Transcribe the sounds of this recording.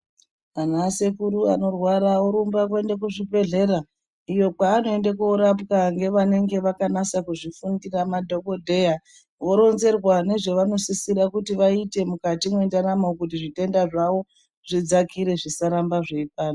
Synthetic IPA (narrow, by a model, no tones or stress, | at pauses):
anase̞kuɾuano̞rwaɾaoɾumbak̬we̞ndakuʐibʱe̞ɮe̞ɾa | ijo̞k͡paːno̞e̞ndakuoɾapkaŋɡe̞ʋane̞ŋɡe̞ʋakanasakuʐifundiramadʱo̞ko̞dʱe̞ja | ʋo̞ɾo̞nze̞rwane̞ʐe̞ʋano̞sisiɾakutiʋaite̞mukatimwendanamokutiʐite̞ndaʐawo̞ | ʐ̥id͡zakʰiɾe̞ʐisaɾambaʐeipaːno